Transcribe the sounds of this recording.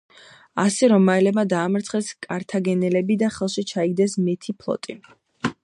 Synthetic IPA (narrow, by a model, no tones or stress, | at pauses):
a̰sɛɾɔmːaɛlɛbmad̪aːmɾt̪sʰχɛskʼaɾt̪ʰaɡɛnɛlɛbid̪aχɛlˠʃit͡ʃʰaiɡ̚d̪ɛsmɛt̪ʰipʰlˠɔ̰t̪ʼi